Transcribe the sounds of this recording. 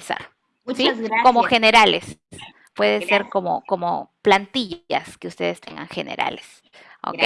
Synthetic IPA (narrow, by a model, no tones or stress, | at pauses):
sa̰ | siko̞mo̞xe̞ne̞ɾale̞̰s | pwe̞ðese̞ɾko̞mo̞̰ko̞mo̰plant̪iʝa̰ske̞ust̪e̞ðe̞st̪ʰe̞̰ŋɡa̰ŋxe̞ne̞̰ɾa̰le̥s | o̰ke